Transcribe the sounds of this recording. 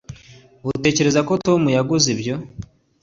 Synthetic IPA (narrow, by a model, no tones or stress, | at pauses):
ute̞ːce̞ɾe̞zakoto̞mujaɡuzibɟo̞